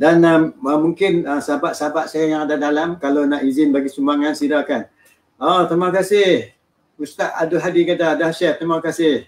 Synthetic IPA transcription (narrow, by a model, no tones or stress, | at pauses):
danaəmuŋkɪnəsəɦabaʔsəɦabaʔ̪̚sajajaŋadadalamkalonaʔizɪnbaɡisumbaŋansidakan | ot̪əɾimakasɪh | ust̪aʔa̰dʊɦadikadaːdaʃɛt̪ɾimakasɪh